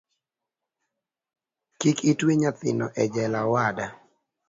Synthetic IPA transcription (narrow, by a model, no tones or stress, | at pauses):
kikitweɲat̪ɪ̰nɔʔɛd͡ʒɛlawada